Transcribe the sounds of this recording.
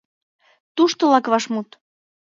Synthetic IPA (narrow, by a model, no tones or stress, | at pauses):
t̪uʃt̪olɑkβɑʃmut̪